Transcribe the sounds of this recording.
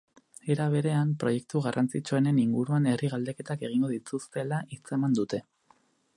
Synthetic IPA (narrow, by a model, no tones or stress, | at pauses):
e̞ɾaβ̞e̞ɾe̞ampɾo̞je̞k̚t̪uɣarant͡sit͡ʃuene̞niŋɡuɾuane̞riɣald̪e̞ke̞t̪ake̞ɣ̞iŋɡo̞ðit̪ust̪e̞laʔit͡se̞mand̪ut̪e̞